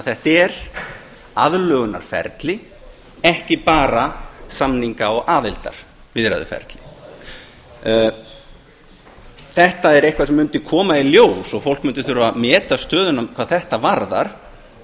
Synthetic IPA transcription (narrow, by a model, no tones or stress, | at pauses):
aθɛht̪ɛɾ̥ | aðlœːɣʏna̰ɾ̥fɛ̰ɾt̪lɪ | ɛhcɪpaːɾasamniŋkaɔɣaːðɪlt̪a̰ɾ̥ | vɪðɾa̰ðʏ̰fɛ̰ɾt̪lɪ | θɛht̪aɛɾejhkvaɾsɛmːʏnt̪ɪkʰɔːmailjoːwsɔɣfow̪k̚mʏnt̪ɪɾθʏɾvamɛːt̪ast̪œːðʏnamkʰvaːðθɛht̪avaɾða̰ɾ̥